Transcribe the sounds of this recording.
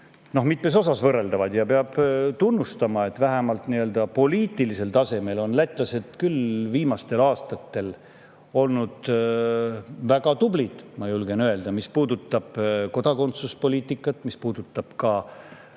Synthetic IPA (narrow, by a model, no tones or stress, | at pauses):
no̞hmit̪me̞s̬o̞sɑsvɤrːe̞ld̪ɑvɑd̪̥jɑpeɑb̥t̪unːust̪ɑmɑe̞t̪ːˑvæɦæmɑlt̪niø̞ld̪̥ɑpo̞liːt̪ˑilise̞lt̪ɑse̞me̞lo̞nlæt̪ːˑlɑse̞d̪̥kylviːmɑst̪e̞lɑːst̪ɑt̪ːe̞l | o̞lnud̪̥ | væɡ̥ɑt̪ublid̪̥mɑjulɡe̞nø̞e̞ld̪̥ɑmispuːd̪̥ut̪ːˑɑb̥ko̞d̪̥ɑko̞nt̪suspo̞liːt̪ːˑikːˑɑt̪ːˑmispuːd̪̥ut̪ːˑɑb̥kɑ